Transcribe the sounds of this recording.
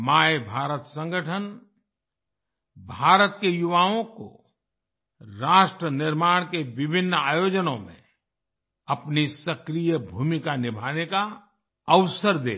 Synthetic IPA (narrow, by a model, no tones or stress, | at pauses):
maːebʱaːɾət̪sə̃ŋɡəʈʰən | bʱaːɾət̪kejʊʋaːõko̰ | ɾaːʃʈɾənɪɾmaːɽ̃keʋɪbʱɪnːaːjoːd͡ʒənõmḛ̃ | ɐpnisəkɾijəbʱuːmɪkanɪbʱaːneka | əʋsəɾd̪ḛː